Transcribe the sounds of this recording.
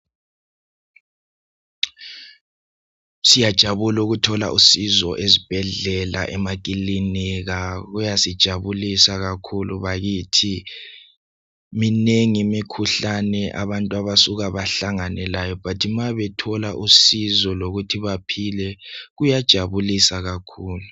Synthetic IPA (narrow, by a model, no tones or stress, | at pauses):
sijad̥ʒ̥ʱaβuluɣutʰɔla̰ʔusizɔʔezib̥ʱɛɮɛla̰ʔɛmak̬ʼiliniɣaɣujasid̥ʒ̥ʱaβulisaɣakʰuluβaɣitʰi | mineŋimikʰuɬanɛʔa̰βantʼuaβasuɣaβaɬaŋanɛlajɔpʰatʰimaβɛtʰɔlaʔusizɔloɣutʰiβapʰilɛɣujad̥ʒ̥ʱaβulisaɣakʰuːlu